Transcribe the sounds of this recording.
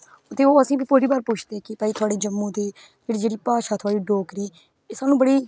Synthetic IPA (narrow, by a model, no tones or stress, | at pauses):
ʊt̪ʰeːoːəsĩːbiːpʊːɾiːbaːɾpʊt͡ʃʰd̪eːkɪpɛiːt̪ʰʊaːɽeːd͡ʒəmːũːt̪eː | d͡ʒeːɽiːd͡ʒeːɽiːpaːʃaːt̪ʰʊaːɽiːɖoːkɾiː | saːnũːbəɽiː